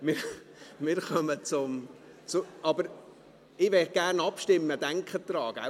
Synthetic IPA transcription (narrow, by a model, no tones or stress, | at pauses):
mɪː | mɪːɾχœmət͡sʊm | t͡sʊɑbəɾ | ɪʋɛχɡ̥ærnɑpʃtɪmːəd̥̪æŋkχəd̪ɾɑːɡ̥a̰